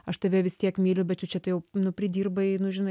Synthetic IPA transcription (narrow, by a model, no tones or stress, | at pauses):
ɐʃt̪ɐʋʲɛʋʲɪst̪ʲiɛkmʲiːlʲʊbʲɛt̪t͡ʃʲʊt͡ʃʲɛt̪ɐɪjɛʊnʊpʲɾʲɪd̪ʲiːrbɐɪnʊʒʲɪnɐɪ